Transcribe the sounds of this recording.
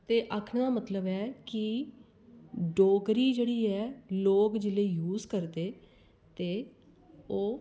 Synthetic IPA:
t̪eːʔəkʰnd̪aːmət̪ləbɛːkɪ | ɖoːɡɾiːd͡ʒeːɽiːɛːloːkd͡ʒɪleːjuːzkəɾd̪eː | t̪eː | oː

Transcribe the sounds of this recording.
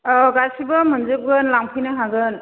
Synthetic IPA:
ɡasibɯmɯnzɯb̚ɡɯnlaŋpʰinaɦaɡɯn

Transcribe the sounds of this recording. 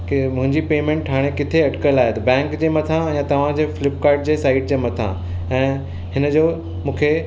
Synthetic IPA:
kmʊ̃ɦɪ̃ɲd͡ʑipeːmẽːɳʈʰːaːɽ̃ekɪt̪ʰeɐʈkəlaːɦet̪ɐbɛ̃ːŋkd͡ʑeːmɐt̪ʰãjãt̪ɐʋ̤ãd͡ʑeːfɪlɪp̚kaːɾɖ̚d͡ʑeːsaːɪʈ̚d͡ʑeːmɐt̪ʰã̰ | ɛ̃ː | ɦɪnə̆d͡ʑoː | mũːkʰe

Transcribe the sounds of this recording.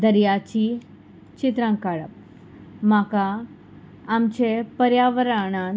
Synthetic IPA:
d̪əɾjat͡ɕi | t͡ɕit̪ɾãŋkaɭəp̚ | makaː | mt͡ɕepəɾjaʋəɾaɽ̃a

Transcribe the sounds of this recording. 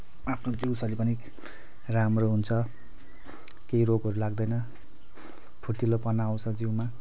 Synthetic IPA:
apʰnod͡ziwsʌlipʌni | ramroɦunt͡sʰʌ | keiroɡɦʌɾulaɡd̪ʌjnʌ | pʰuʈːilopʌnaw̃t͡sʰʌd͡ziwma

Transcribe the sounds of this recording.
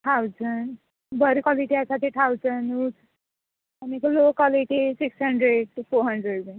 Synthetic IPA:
t̪ʰawd͡zən | bəɾkwɔliʈiasaʈʰiːt̪ʰawd͡zənu | anieklokɔliʈisiksɦəɳɖɾeɖʈufoɾɦəɳɖɾeɽme

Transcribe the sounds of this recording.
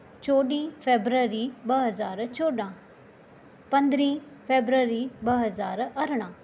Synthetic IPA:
t͡ʃoːɗĩːpʰeːbɾəɾiːbəɦəzaːɾt͡ʃoːɖãː | pə̃nd̪ɾĩːpʰeːbɾəɾiːbəɦəzaːɾəɾɽ̃ãː

